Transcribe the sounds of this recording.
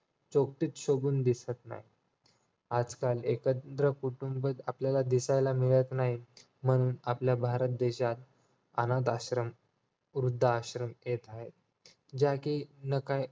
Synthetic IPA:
t͡ɕok̚t̪iːt͡s̪ɕoɡuːnd̪isət̪na̰ɦi | ad͡zkalekət̪ɾəkuʈumbət̪apljalad̪isajlamiɭət̪naɦi | m̤əɽ̃uːnapljabʱaɾət̪̚d̪eɕat̪ | a̰nat̪̬aɕɾəm | ɾud̪ʱːaːɕɾəmjet̪aɦet̪̚ | d͡ʑakiːnəkaj

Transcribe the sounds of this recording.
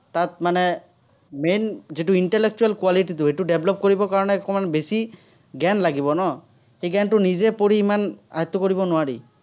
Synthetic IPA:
t̪at̪̚manɛ | menzituinʈɛlek̚t͡ʃualkwaliʈit̬ʊejtʊɖeblɔp̚koɹibɔkaɹɔnɛkɔmanɛbesi | ɡɛnlaɡibɔnɔ | xejɡɛntʊnizɛpoɹiːmana̰ɦat̪ːɔkoɹibɔnʊwaɹḭ

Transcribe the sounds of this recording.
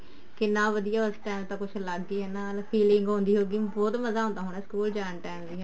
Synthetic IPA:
kɪnãːʋəd̪ijaːʊsʈɛːmt̪ãːkʊt͡ʃʰləɡiːɦɛːnaːlpʰiːlɪŋɡɦõːnd̪iːɦoːɡiːbɔːt̪məzaːɦõːnd̪aːɦoːɳ̃ɛːskuːld͡ʒaːnʈɛːmziːɦɛː

